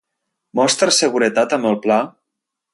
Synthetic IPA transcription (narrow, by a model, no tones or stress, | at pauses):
mɔst̪ɾəsəɣuɾət̪at̪əməlˠpla